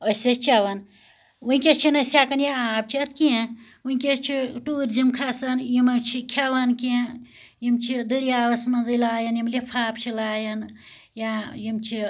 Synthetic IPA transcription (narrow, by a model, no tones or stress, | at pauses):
əsɐt͡ʃʰɐʋɐn | wuĩkʲet͡ʃʰinɐsʲakɐnjaaːb̚t͡ʃʰɐt̪ʰkiẽ | wuikʲet͡ʃʰiʈuːɾd͡ʒimkʰasɐnjimɐt͡ʃʰikʲʰɐʋɐnkiẽ | jimt͡ʃʰid̪ɨɾjaːʋɐsmɐnzɐlaːjɐnjimlipʰaːpt͡ʃʰilaːjɐn | jajimt͡ʃʰi